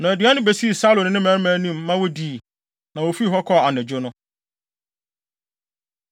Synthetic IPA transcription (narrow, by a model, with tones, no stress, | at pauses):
nã˨æ˨dɥa˦nʊ̃˦be˨si˦e˨sa˦lo˨nɪ̃˦nɪ̃˦mæ̃˨˦ɾmæ̃˨˦nĩ˦mː˦ã˦wɔ˦di˨ | nã˨wo˨fi˦˨ɦɔ˦kʰɔ˦˨a˨nɪ̃˨d͡ʑᶣʊ˦nʊ̃˦